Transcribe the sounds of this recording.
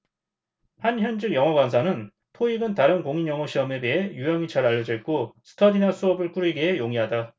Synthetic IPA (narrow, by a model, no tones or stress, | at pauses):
hançjʌnd͡ʑɯɡjʌŋʌɡwansʰanɯn | tʰoiɡɯntaɾɯnkoŋinjʌŋʌɕʰiʌmebeɦe̞jujʌŋit͡ɕaɾaʎːʌd͡ʑik͈osʰɯ̥tʰʌdinasʰuʌbɯɭk͈uɾiɡeɦejoŋiɦada